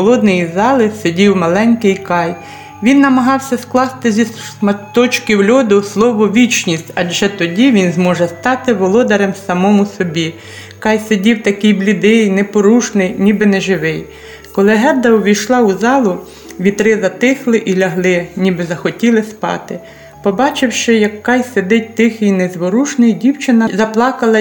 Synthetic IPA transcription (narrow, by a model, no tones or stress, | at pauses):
xɔlˠɔd̪nɪjizɑlˠɪsedʲiwmɐlˠɛnʲkɪjkɑj | ʋʲinːɐmɐɦɑwsʲɐsklˠɑst̪ɪzʲis | mɐt̪ɔt͡ʃkɪwlʲɔd̪ʊslˠɔʋɔʋʲit͡ʃnʲisʲtʲɐd͡ʒɛt̪ɔdʲiʋʲinzmɔʒɛst̪ɑt̪ɪʋɔlˠɔd̪ɐɾɛmsɐmɔmʊsɔbʲi | kɑjsedʲiwt̪ɐkijblʲid̪ɪjnɛpɔɾuʃnɪjnʲibɪnɛʒɪʋɪj | kɔlˠɪɦɛbd̪ɐɔʋʲijʃlˠɑʊzɑlˠʊ | ʋʲit̪ɾɪzɐt̪ɪxlˠɪʔilʲɐɦlˠɪnʲibɪzɐxɔtʲilˠɪspɑ̰t̪ɪ | pɔbɑt͡ʃɪwʃɪjɐkːɑjsed̪ɪt̚ʲt̪ɪxɪjnɛzʋɔɾuʃnɪjdʲiwt͡ʃɪnɐzɐplˠɑkɐlˠɐ